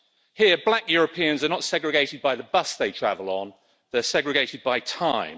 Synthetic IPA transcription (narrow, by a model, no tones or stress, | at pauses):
hɪəblakjɔːɹəpʰiə̃nzənətsɛɡɹɪɡeɪtɪd̚baɪðəbʌsðeɪtʰɹ̥a̰vələ̃n | ðəsɛɡɹɪɡeɪtɪd̚baɪtʰãɪ̃m